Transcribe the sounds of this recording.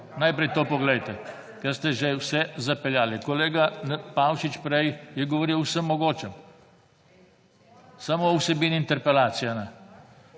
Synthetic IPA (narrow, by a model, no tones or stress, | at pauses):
najpɾɛjt̪oːpɔɡlɛjt̪ɛ | kɛɾst̪ɛʒɛwsɛzapɛljaːlikoleːɡapawʃit͡ʃpɾɛjjɛɡɔʋoɾiwwsəmːɔɡoːt͡ʃɛm | samowsɛbiːniint̪ɛɾpɛlaːt̪sijana